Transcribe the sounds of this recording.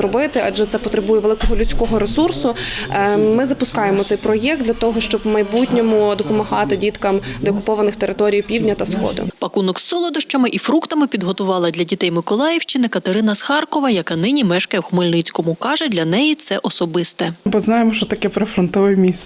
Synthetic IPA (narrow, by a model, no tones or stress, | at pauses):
ɾɔbɪt̪ɪʔɐd͡ʒɛt̪ɛpɔt̪ɾɪbujɛʋelˠɪkɔɦɔlʲʉt͡sʲkɔɦɔɾesursʊ | mɪzɐpʊskɑjemɔt̪sɛjpɾɔjɛk̚d̪d̪ʲlʲɐt̪ɔɦɔʃt͡ʃɔbmɐjbutʲnʲɔmʊd̪ɔpɔmɐɦɑt̪ɪdʲit̪kɐmd̪eɔkʊpɔʋɐnɪxt̪eɾʔɪt̪ɔɾʲijpʲiwdʲnʲɐt̪ɐsxɔ̰d̪ʊ̰pɐkunɔksːɔlˠɔd̪ɐʃt͡ʃɐmɪʔifɾukt̪ɐmɪpʲid̪ɦɔt̪ʊʋɑlˠɐd̪ʲlʲɐdʲit̪ɛjmɪkɔlˠɑjɪwʃt͡ʃɪnɪkɐt̪eɾɪnɐsxɑrkɔʋɐjɐkɑnɪnʲimɛʃkɐjɛwxmɪlʲnɪt͡sʲkɔmʊkɑʒɛdʲlʲɐn̪ɛjit̪sɛʔɔsɔbɪst̪ɛbɔznɑjemɔʃt͡ʃɔt̪ɐkɛpɾɐfɾɔnt̪ɔʋɪmʲis